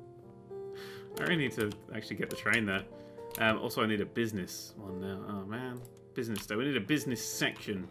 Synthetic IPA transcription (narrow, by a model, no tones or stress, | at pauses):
aɪɹɛ̰lˠinid̚tʰɨæ̰k̚t͡ʃʉl̩ˠiɡɛʔ̚ðɨətʰɹ̥ẽɪ̃nðə˞ʔʌ̃mʔɔ̰lˠsoʊaɪniɾɨbɪznɨswʌ̃nːaʊʔoʊmæ̃n | b̥ɪznɨsd̥eɪwiniɾɨbɪznɨsɛkʃɨ̃n